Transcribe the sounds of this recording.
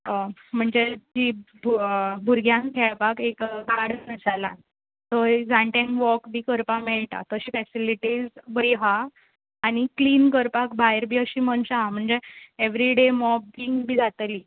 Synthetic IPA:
m̤əɳd͡zed͡ʑibʱbʱuɾɡjãŋkʰɛɭpakekɡʱaɽnəsalã̰ | t̪əd͡zãɳʈẽŋkʋɔkbʱiːkəɾpameɭʈ̪a̰t̪əɕiːfɛsiliʈid͡zbəjɦaː | ñikliːnkəɾpakbʱajɾbʱiːəɕiːmənɕaɦam̤əɳd͡zeeʋɾiɖemɔb̚biŋɡbʱiːd͡zat̪liː

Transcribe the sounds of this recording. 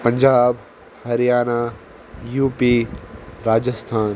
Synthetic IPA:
pɐ̃ɲd͡ʒaːb | hɐɾijaːna | juːpiɾaːd͡ʒəst̪ʰaːn

